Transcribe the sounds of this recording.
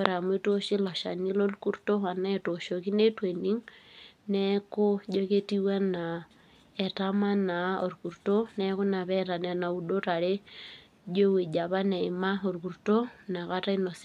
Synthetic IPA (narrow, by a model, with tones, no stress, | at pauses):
oɾa˨mwe˦toʃi˦lo˨ʃa̰˨ni˦lo˦luku˦ɾuto˦a˨na˦ɛ˨toʃoki˦ne˦tweni˦ŋnɛko˦d͡ʒoke˦tiwa˦na˨ | ɛ˨tama˦nao̰˨ɾuku˨ɾutonɛko˦na˨βɛta˨nɛ˨na˨u˨do˦ɾa˨ɾe˦ | d͡ʒe˦we˨d͡ʒa˨βa˦ne˨ima˦o˨ɾuku˨ɾuto˦naka˦ta˦i˦nos